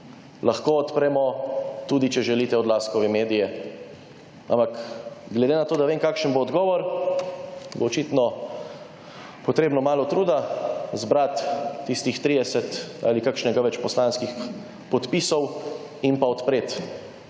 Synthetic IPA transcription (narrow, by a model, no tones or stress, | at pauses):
lʔaxkoɔt̪pɾɛmɔt̪uːd̪it͡ʃɛʒɛliːt̪ɛɔd̪laːskɔʋɛmeːd̪ijɛ | a̰mpakɡlɛd̪eːnat̪oːd̪aʋemkaːkʃənboːd̪ɡɔːʋɔɾ | boːt͡ʃit̪nɔ | pɔt̪ɾeːbnɔmaːlɔt̪ɾuːd̪azbɾat̪ːist̪ixt̪ɾiːd̪ɛsɛt̪a̰ːlikakʃnɛɡaʋɛt͡ʃpɔslaːnskix | pɔt̪pisɔw | inpaɔt̪pɾet̪